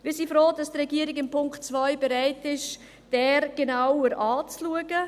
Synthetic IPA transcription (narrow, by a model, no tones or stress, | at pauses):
ʋɪsifɾoːdɑsdrɛɡiəɾɪɡɪmpʰʊŋktt͡svaɪbeɾaɪtɪʃ | d̥ɛːɾɡ̥enawəɾʔaːt͡sluəɡ̥ə